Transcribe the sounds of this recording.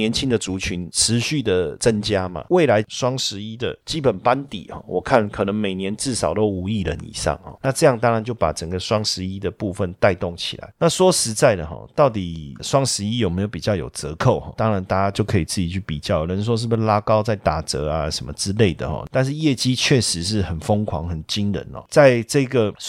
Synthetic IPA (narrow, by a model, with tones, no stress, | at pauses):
jɛ˧˦nt͡ɕʰi˦˥ŋd̪ə˨t͡su˧˥t͡ɕʰy˧˥nʈ͡ʂʰɻ̩˧˦ɕy˥˩d̪ə˩t͡sə˦˥nt͡ɕja˥ma̰˨we˥˩ɪla˧˥ɪʂwɑ˥ŋʂɻ̩˧˥i˦˥d̪ə̰˨t͡ɕi˥pə˨˩npa˦nt̪ḭ˨˩xɔ̰˨˩wɔ˨˩kʰa˥˩nkʰɤ˨˩nə˧˦ŋme˨˩ɪnjɛ˧˦nt͡sɻ̩˥˩sɑ˨˩ʊt̪o˦˥ʊu˧˥i˥˩lə̰˧˦nḭ˨˩ʂɑ̰˥˨˩ŋhɔ̰˧˩na˥˧ʈ͡ʂɤ˥˧jɑ˥˩ŋt̪ɑ˥ŋɻa˧˦nt͡ɕjo˥˩ʊpa̰˨˩ʈ͡ʂə˨˩ŋɡə˩ʂwɑ˥ŋʂɻ̩˧˥i˥d̪ə˨pu˥˧fə˥˨nt̪a˥˧ɪt̪ɔ˥˩ŋt͡ɕʰḭ˨˩la̰˨˦ɪna˥˨swɔ˥ʂɻ̩˧˥t͡sa˥˩ɪd̪ə˩xɔ̰˨˩t̪ɑ˥˩ʊt̪i˨˩ʂwɑ˥ŋʂɻ̩˧˥i˦˥jo˨˩me˧˥ɪjo˧pi˨˩t͡ɕjɑ˥˩jo̰˨˩ʊt͡sɤ˧˦kʰo˥˩ʊxɔ̰˧˩t̪ɑ˥ŋɻa˧˦nt̪a˥˧˩t͡ɕa˥t͡ɕjo˥˩ʊkʰɤ˧˥i˨˩t͡sɹ̩˥˩t͡ɕi˨˩t͡ɕʰy˥˩pḭ˨˩t͡ɕjɑ˥˩ʊ˨˩lə˧˦nʂ̬wɔ˦ʂ̬ɻ̩˥˩bu˧ʂla˥kɑ˥ʊt͡sa˥˩ɪt̪a˨˩t͡sɤ˧˥a˧ʂə˨nmə˧˦ʈ͡ʂɻ̩˥le˥˩ɪd̪ə̰˩xɔ̰˩t̪a˥˧nʂ̬ɻ̩˥˧jɛ˥˩t͡ɕi˥t͡ɕʰɥɛ˥˩ʂɻ̩˧˦ʂ̬ɻ̩˥˩xə˨˩nfo˥ŋkʰwɑ̰˧˥ŋxə˨˩nt͡ɕi˥nɻə̰˧˦nɔ̰˨˧t͡sa˥˧ɪʈ͡ʂɤ˥˧˥ɡə˨